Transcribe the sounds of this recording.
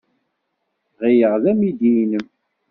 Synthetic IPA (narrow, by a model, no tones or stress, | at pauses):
ʁijəʁðæmid̪inəm